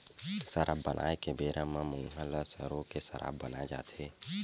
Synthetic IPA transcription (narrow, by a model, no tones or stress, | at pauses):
səɾʔabːənʔa̰ːekebeːɾãmãmʊ̃ŋɦələsəɾõkesəɾʔa̰ːbbənaed͡ʒa̰ːt̪ʰe